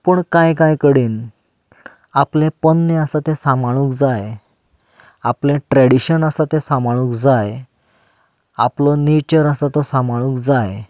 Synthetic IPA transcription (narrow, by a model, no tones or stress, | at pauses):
pəɳkãjkãjkəɽiːn | aplẽpənːẽasat̪ẽsãmaɭ̃ũːkd͡zaj | aplẽʈɾɛɽiɕənəsat̪ẽsãmaɭ̃ũːkd͡zaj | aplɔnet͡ɕəɾasat̪ɔsamaɭ̃ũːkd͡zaj